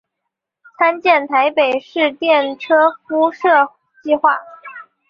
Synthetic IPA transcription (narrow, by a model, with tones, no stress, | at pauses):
t͡sʰa˥nt͡ɕjɛ˥˩nt̪ʰa˧˥ɪpe˨˩ɪʂɻ̩˥˧t̪jɛ˥˩nʈ͡ʂʰɤ˥fu˥ʂɤ˥˧ | t͡ɕi˥˧xwa˥˩